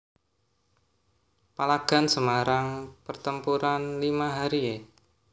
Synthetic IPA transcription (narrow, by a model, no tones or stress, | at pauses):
palaɡ̥a̤nsəmaɾaŋpərt̪əmpuɾanlimaɦaɾie